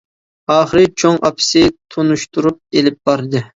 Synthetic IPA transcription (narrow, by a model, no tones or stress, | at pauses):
ɑːχəɾɨt͡ʃʰoŋʔɑ̰pʰɪ̥sɪt̪ʰonuʃt̪uɾup̚elɪp̚b̥ɑɾɨd̪ɨ